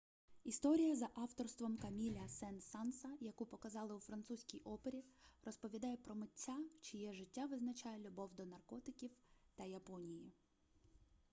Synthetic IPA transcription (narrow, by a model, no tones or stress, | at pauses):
ist̪ɔɾʲijɐzɐʔɑwt̪ɔrst̪ʋɔmkɐmʲilʲɐsɛnsɑnsɐjɐkupɔkɐzɑlˠɪʊfɾɐnt̪susʲkʲijʔɔpeɾʲirɔspɔʋʲid̪ɑjɛpɾɔmɪtʲːat͡ʃɪjɛʒɪtʲːaʋɪznɐt͡ʃajɛlʲʊbɔwd̪ɔnɐrkɔt̪ɪkʲiwt̪ɐjɐpɔnʲiji